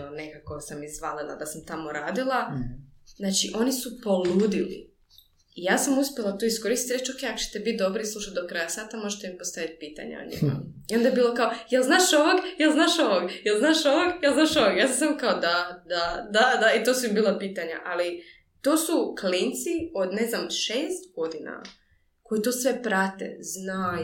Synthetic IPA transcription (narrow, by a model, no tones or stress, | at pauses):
one̞kako̞samizʋalilˠa̰d̪asamt̪amoɾaːd̪ilˠa | zaːt͡ʃiʔo̞nisupo̞luːd̪ilḭ | ijaːsamuspʲjelˠat̪oisko̞ɾist̪i̥t̪iɾet͡ʃoke̞jakot͡ʃe̥t̪ebit̪̚d̪o̞bɾislˠuʃat̪̚d̪okɾaːjasaːt̪amo̞ʒet̪emimpost̪aʋit̪̚piːt̪a̰ɲa̰o̰ɲḭm̰io̞nd̪aebiːlˠo̞kaojelznaːʃoʋoɡjelznaːʃoʋoɡjelˠznaːʃoʋoɡjelˠznaːʃoʋoɡjaːs̬amsamkaod̪ad̪ad̪ad̪ait̪oːsuimbiːlˠapiːt̪aɲa̰ʔali | t̪oːsuklint̪siod̪neznamʃeːst̪ɡo̞d̪ina̰ | ko̞jit̪o̞ːsʋe̞pɾat̪ḛznaː